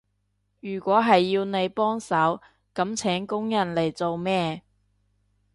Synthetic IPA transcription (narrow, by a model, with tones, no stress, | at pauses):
jyː˨˩kʷɔː˨˥ɦɐ˨jːiː˧wne˨˧jpɔː˥ŋsɐ˨˥w | kɐ˨˥mt͡sʰɛː˨˥ŋkʊ˥ŋjɐ˨˩nle˨˩jt͡so˨wmɛː˥